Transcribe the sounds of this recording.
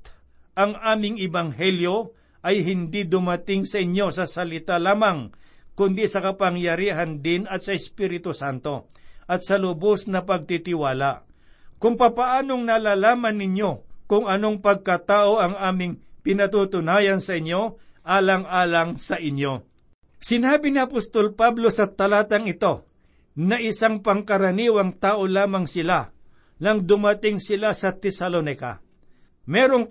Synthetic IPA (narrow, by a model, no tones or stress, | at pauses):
t̪ | ʔɐŋʔaːmɪŋɛbɐŋɦɛljo̞ | ʔɐjɦɪnd̪id̪ʊmɐt̪ɪŋsɐʔɪɲjo̞sɐsɐlɪt̪alaːmɐŋkʊnd̪isɐkɐpɐŋjɐɾiːɦɐnd̪ɪnɐt̪̚sɐɪspiːɾɪt̪ʊsant̪o̞ | ʔɐt̪̚sɐlʊbosnɐpɐɡ̚t̪it̪ɪwaːlaʔ | kʊŋpɐpɐʔaːno̞ŋnɐlaːlaːmɐnːɪɲjo̞kʊŋɐno̞ŋpɐɡ̚kɐt̪aːʔo̞ʔɐŋaːmɪŋpɪnɐt̪ut̪ʊnaːjɐnsɐʔɪɲjo̞ʔaːlɐŋʔaːlɐŋsɐʔɪɲjo̞ | sɪnaːbɪniɐpost̪o̞lpablo̞sɐt̪ɐlaːt̪ɐŋɪt̪o̞ | nɐʔɪsaŋpɐŋkɐɾɐniːwɐŋt̪aːʔo̞laːmɐŋsɪla | nɐŋd̪ʊmɐt̪ɪŋsɪlasɐt̪ɛsɐlonɪkɐ̰ | mɛɾo̞ŋ